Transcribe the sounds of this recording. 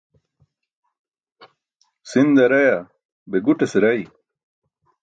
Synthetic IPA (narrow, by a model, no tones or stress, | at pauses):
sind̪ɐɾɐja | beɡuʈeseɾɐj